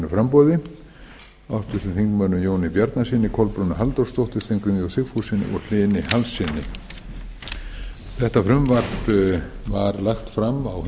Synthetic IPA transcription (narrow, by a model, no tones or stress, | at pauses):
nʏfɾampɔwðɪ | aft̪ʏɾt̪ɪθiŋkmœnːʏmjoːwnɪpjaɾt̪nasiːnːɪkʰɔlpɾʏnːʏɦalt̪ɔɾst̪owht̪ɪ̥θejŋkɾʏmjɔwsɪkfusɪnɪ̰ʔɔɣl̥ɪːnɪhalsːɪnːɪ̰ | θɛht̪afɾʏmvaɾpvaɾlaxt̪fɾamawh